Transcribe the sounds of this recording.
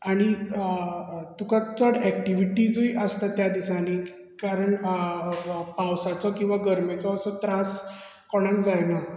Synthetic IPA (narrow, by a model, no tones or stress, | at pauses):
aɽ̃i | t̪ukat͡səɽɛkʈiʋiʈid͡zoiʔəst̪at̪jad̪isani | kaɾəɳ | pawsat͡sɔkĩw̃ʋaɡəɾmat͡sɔəsət̪ɾas | kɔɽ̃ãkd͡zajnə